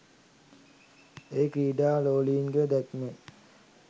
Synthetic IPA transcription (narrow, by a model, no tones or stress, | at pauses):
eːkiːɖaːloːliːnɡed̪ɛkme